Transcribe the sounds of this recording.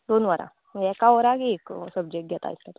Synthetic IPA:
d̪onʋəɾã̰ | jɛkaʋəɾakeksəb̚d͡ʑek̚ʈ̚ɡjɛt̪a̰jst̪at̪u

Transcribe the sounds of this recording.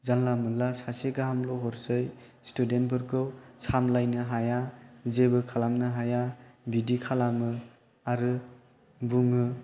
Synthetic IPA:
zanlamɯnlasaseɡaɦamlɔɦɔɾsɯj | studen̚bɯɾɡɯwsamlajnɯɦajazebɯkʰalamnɯɦajabidikʰalamɯ | aɾɯ | buŋɯ

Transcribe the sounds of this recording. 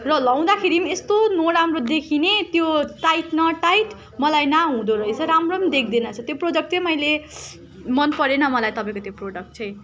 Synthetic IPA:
rʌlʌw̃d̪akʰeɾimest̪onoɾamrod̪ekʰinet̪joʈajʈnʌʈajʈ | mʌlajnaɦũd̪oɾʌet͡sʰʌɾamrʌmd̪ek̚ʰd̪inʌt͡sʰʌt̪joprod͡zʌk̚ʈt͡sʰʌmʌjle | mʌnpʌɾenʌmʌlajt̪ʌpaj̃kot̪joproɖʌk̚ʈ̚t͡sʰʌj

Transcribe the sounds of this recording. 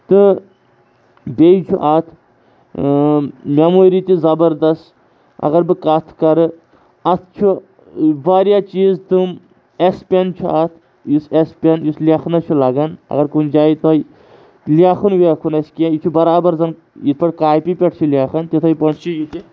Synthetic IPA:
t̪ɨ | bʲejit͡ʃʰuʔat̪ʰ | mʲaːmoːɾit̪izɐbɐɾd̪ɐst | ɐ̰ɣɐɾbɨkɐt̪ʰkɐɾɨ | ɐt̪ʰt͡ʃʰu | ʋaːɾijaːt͡ʃiːzt̪um | espʲent͡ʃʰuat̪ʰ | jisespʲenjusliaːxnɐt͡ʃʰulɐːɡɐnɐ̰ɡɐɾkund͡ʒaːit̪oj | lʲaːkʰunʋekʰunɐsʲkʲijãjit͡ʃʰubɐɾaːbɐɾzɐn | jit̪ʰpʰɐʈkaːjpipʲeʈʰt͡ʃʰulʲaːxɐnt̪it̪ʰɐjpɐɳt͡ʃʰijut̪i

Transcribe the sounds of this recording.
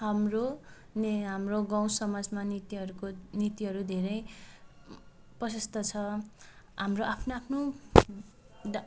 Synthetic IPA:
ɦamro | nɦamroɡãw̃sʌmad͡zmanit̪iʌɾukonit̪iɦʌɾud̪ʱeɾʌj | prʌsʌst̪ʰʌt͡sʰʌ | ɦamroʔapʰnoapʰno

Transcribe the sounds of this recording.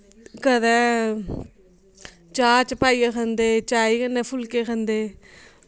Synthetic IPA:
kəd̪ɛː | t͡ʃaːt͡ʃpaːiːakʰənd̪eːt͡ʃaːiːkənːeːpʰʊlkeːkʰənd̪eː

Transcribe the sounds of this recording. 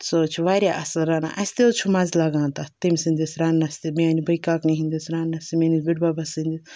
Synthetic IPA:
soːt͡ʃʰʋaːɾʲjaʔɐslɾaːna̰ʔɐsʲt̪eot͡ʃʰumazlɐɡãːnt̪at̪imʲsind̪isɾaːnːɐsʲt̪imiaːnibɐjkaːkniɦind̪isɾaːnːɐsʲt̪imenizbiɽbaːbɐsind̪i

